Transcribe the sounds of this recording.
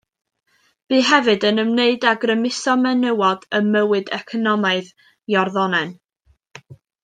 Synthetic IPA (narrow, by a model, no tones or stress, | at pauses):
b̥iːɦɛvɨdənəmneɨdaɡrəmɪsɔmɛnəwɔd̥əməwɨdɛkʰɔnɔmaɨð | jɔrðɔnɛn